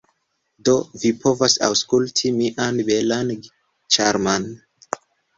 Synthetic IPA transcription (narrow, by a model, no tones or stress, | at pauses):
do̞vipʰo̞vasa̰wskultʰimiʔanbelan | t͡ʃaɾman